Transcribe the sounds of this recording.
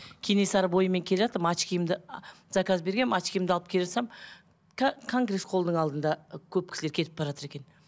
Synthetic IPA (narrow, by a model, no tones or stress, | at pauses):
kʲʰene̞sɑɾəbo̞jəme̞ŋkʲʰe̞leʒɑt̪əɾəmɑt͡ʃkʲijɪmd̪ɪ | zɑkɑzbe̞ɾɡʲeɑt͡ʃkʲijmd̪əɑlˠəp̚kʰʲeeʒɑt̪sɑm | kʰoŋɡɾe̞sqʰo̞lˠd̪əɴɑlˠd̪ənd̪ɑkʲʰɵp̚kʲɪ̥sle̞ɾkʰe̞t̪ɪp̚bɑʒɑt̪əɾe̞kʲe̞n